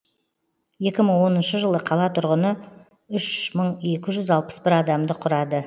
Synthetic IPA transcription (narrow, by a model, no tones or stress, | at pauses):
je̞kʲɪməɴwo̞nənʃəʒəlˠəqʰɑlˠɑt̪ʰʊɾʁənə | ʏʃməɴe̞kʲɪʒʏzɑlˠpə̥sbɪɾɑd̪ɑmd̪əqʰʊɾɑd̪ə